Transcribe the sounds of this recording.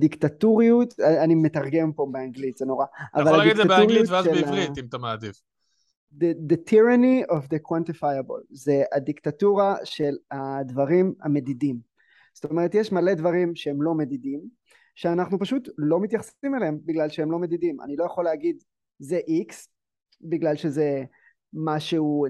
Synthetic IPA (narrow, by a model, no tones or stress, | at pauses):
d̪ikt̪atuʁijut̪aanime̞t̪aʁɡe̞mpo̞beaŋɡlit̪z̥eno̞ʁaa̰vvalad̪ik̪at̪uiiutvazʃeliimt̪amaːd̪iv | ded̪et̪ʰiʁaniovd̪ekwant̪ifajabo̰lzead̪ikt̪atuʁaʃe̞lad̪vaʁima̰me̞d̪idim | z̥o̥t̪omeʁet̪jeʃmale̞dvaʁimʃeemlo̞me̞d̪idim | ʃeanaχnupaʃutlo̞mit̪jaχsfimeleembiɡlalʃehemlo̞me̞d̪idima̰nilojaχo̞leaɡid̪ | zeʔiks | biɡlalʃeze̞ | maʃeu